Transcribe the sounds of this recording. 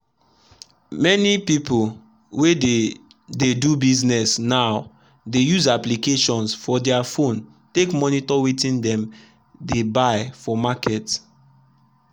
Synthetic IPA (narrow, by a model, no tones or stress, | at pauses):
mɛnipipol | we | dedubiznɛsnaʊ | dejuzaplikeʃɔ̃nsfɔdɛafõn | tekmɔnitɔwetĩndɛ̃m | debaɪfɔmakɛt